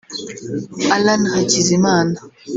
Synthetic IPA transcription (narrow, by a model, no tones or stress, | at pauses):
alanhat͡ʃizimana